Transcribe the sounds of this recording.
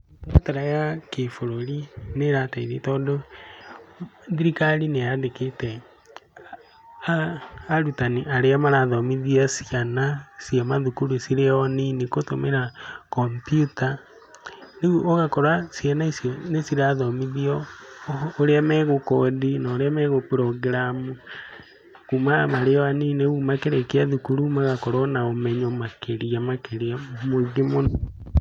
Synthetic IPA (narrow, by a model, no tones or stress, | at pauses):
dataɾajakefoɾoɾineɾataiðitɔːndo | ðiɾikaɾineadeketɛ | ɾutaniʔaɾeamaɾaðɔmiðiasianasiamaðukuɾusiɾeɔninikotomeɾakɔmpjuta | neuoɣakɔɾasjanaisjɔnesiɾaðɔmiðiɔː | ɾeamɛɣokɔdinaoɾeamɛɣopɾɔɡɾamu | kumamaɾeɔanineɣumakeɾɛkeaðukuɾumaɣakɔɾɔnaomɛɲɔmakeɾiamakeɾiamoɣimon